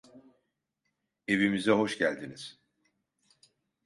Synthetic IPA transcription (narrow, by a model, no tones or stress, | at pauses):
e̞vimizɛɦo̞ʃɟælʲd̪iniz̥